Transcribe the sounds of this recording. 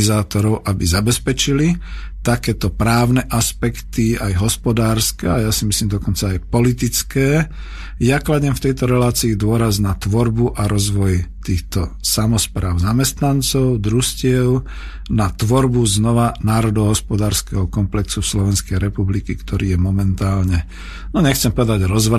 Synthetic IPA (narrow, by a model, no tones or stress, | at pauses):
zaːt̪ɔɾɔʊʔabizabɛspɛt͡ʃili | t̪akɛːt̪ɔpɾaːʊnɛʔaspɛkt̪iajɦɔspɔd̪aːɾskɛajasimisliːmd̪ɔkɔnt͡saːjpɔlit̪it͡skɛː | jaklaɟɛmft̪ɛjt̪ɔɾɛlaːt͡siːd̪ʊɔɾaznat̪ʋɔɾbuʔaɾɔzʋɔjt̪iːxt̪ɔsamɔspɾaːʊzamɛst̪nant͡sɔʊd̪ɾuscɪɛʊ | nat̪ʋɔɾbuznɔʋanaːɾɔd̪ɔɦɔspɔd̪aːɾskɛɦɔkɔmplɛksufslɔʋɛnskɛjɾɛpublikikt̪ʰɔɾiːjɛmɔmɛnt̪aːlɲɛ | nɔɲɛxt͡sɛmpɔʋɛd̪aɟɾɔzʋ